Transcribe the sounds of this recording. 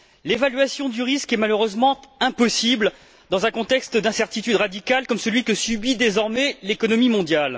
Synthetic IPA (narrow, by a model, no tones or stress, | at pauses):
levalɥasjɔ̃d̪yʁiskɛmaløʁøzmɑ̃ɛ̃pɔsibl | d̪ɑ̃zɛ̃kɔ̃t̪ɛkst̪d̪ɛ̃sɛʁt̪it̪yd̪ʁad̪ikalkɔmsəlɥikəsybid̪ezɔʁmɛlekɔnɔmimɔ̃d̪jal